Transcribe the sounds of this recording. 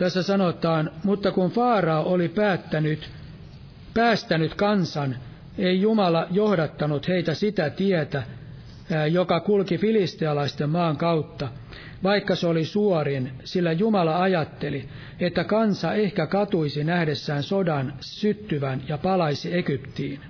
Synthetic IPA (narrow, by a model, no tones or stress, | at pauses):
t̪æsːæsɑnot̪ɑːnmut̪ːɑkunfɑːrɑoʔolipæːt̪ːænyt̪ | pæːst̪ænyt̪kɑnsɑn | eijumɑlɑjohdɑt̪ːɑnut̪heit̪æsit̪æt̪iæt̪æ | jokɑkulkifilist̪iɑlɑist̪emmɑːŋkɑut̪ːɑ | ʋɑikːɑseolisuoɾinsilːæjumɑlɑɑjɑt̪ːeli | et̪ːækɑnsɑehkækɑt̪uisinæhdesːæːnsodɑn | syt̪ːyʋænjɑpɑlɑisiekypt̪iːn